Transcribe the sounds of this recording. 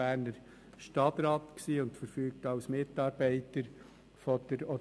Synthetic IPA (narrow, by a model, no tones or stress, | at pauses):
æːɾnəɾ | ʃtɑtɾɑːtksiːʊntfəɾfyːk̚tɑʊsmɪtɑːɾbɛɪtəɾ | fɔd̥əɾɔ